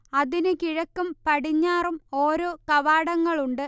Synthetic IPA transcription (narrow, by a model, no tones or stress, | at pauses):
ɐðinɨkiɻɐkːumpɐɽiɲːaːrumo̞ːɾo̞ːkɐʋaːɽɐŋːɐɭuɳɖɨ